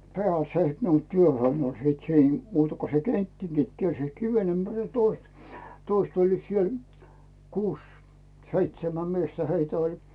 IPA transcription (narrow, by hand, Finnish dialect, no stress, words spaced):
pĕæˑl se net nuoi tyøhøin olʲ sit siːn muːtɑ ko se ketːiŋɡ̊it kiersiːt kiʋen ympæril jɑ toist toist olʲliːt siel kuːs seitsemæm miestæ heitæ olʲ